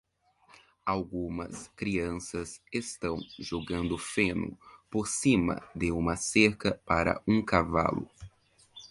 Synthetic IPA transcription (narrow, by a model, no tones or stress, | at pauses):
awɡũmɐskɾiɐ̃sɐsest̪ɐ̃w̃ʒoɡɐ̃nd̪ʊfẽnʊ̰poɾsĩmɐ̰d̪ɪũmɐseɾkɐpaɾɐ̰ʔũkava̰lʊ̰